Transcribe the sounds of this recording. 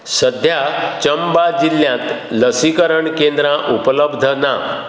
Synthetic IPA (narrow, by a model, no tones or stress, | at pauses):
səd̪ʱjat͡ɕəmbad͡ʑiljãt̪ | ləsikəɾəɳkẽnd̪ɾãʔupələbd̪ʱəna